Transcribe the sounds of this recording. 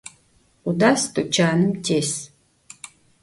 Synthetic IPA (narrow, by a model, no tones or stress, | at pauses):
udast̪ʰut͡ʃʰaːnɨmtʰes